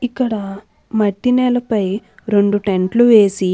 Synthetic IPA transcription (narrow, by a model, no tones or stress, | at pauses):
ikːɐɽɐ | mɐʈːinɛːlɐpɐj | ɾe̞ɳɖuʈe̞ɳʈluʋeːsi